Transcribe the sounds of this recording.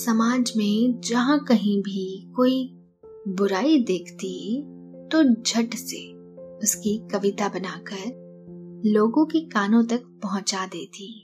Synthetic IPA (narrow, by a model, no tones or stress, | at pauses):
sɐmaːd͡ʒmẽd͡ʒɐɦãkɐɦĩbʱikoːi | bʊɾaːid̪eːkʰt̪i | t̪od͡ʒʱɐʈse | ʊskikɐʋɪt̪abɐnaːkəɾ | loːɡõkikaːnõt̪ɐk̚pɐɦʊ̃t͡ʃad̪eːt̪ʰiː